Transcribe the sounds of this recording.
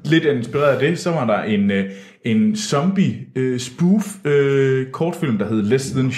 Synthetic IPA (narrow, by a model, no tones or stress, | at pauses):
le̝d̥æe̝nsb̥iʁɛ̰ːɐðˠd̥e̝sɒ̽ʋɑ̈dɑ̈ʔe̝n | e̝nsɒ̽mb̥iøsb̥uføkʰɒːd̥fil̰md̥ɑ̈ɦe̝ð̞ˠlesn